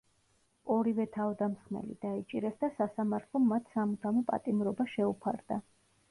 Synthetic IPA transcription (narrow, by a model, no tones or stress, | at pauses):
ɔɾivɛt̪ʰavd̪amsχmɛ̰lḭd̪̥ait͡ʃʼiɾɛsd̪asasamaɾt̪ʰlˠɔmmːat̪ʰsamut̪ʰamɔpʼa̰t̪ʼimɾɔbaʃɛupʰa̰ɾd̪a